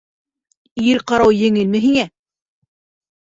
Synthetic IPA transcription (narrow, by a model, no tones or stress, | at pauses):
iɾqɑɾɑwjɘ̆ŋɘ̆lmɘ̆ɦiŋæ